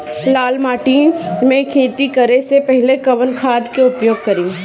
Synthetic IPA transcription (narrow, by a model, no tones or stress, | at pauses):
laːlmaːʈĩːnmẽkʰeːt̪ikɐɾesepɛɦlekɐʋənkʰaːd̪keʊpjoːɡ̚kɐɾĩː